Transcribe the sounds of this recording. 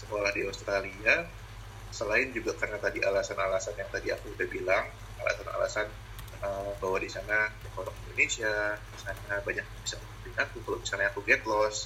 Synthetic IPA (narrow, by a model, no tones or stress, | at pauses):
səkolahdiaust̪ɾalia | səlaɪnd͡ʒuɡakarənat̪adiʔalasanalasanjaŋt̪adia̰kuudabilaŋ | a̰la̰sana̰la̰san | əbawadisanadəkoɾɔkindonesiadisanabaɲak̚bisakut̪upiŋat̪ukalomisalɲaakuɡɛt̪lɔs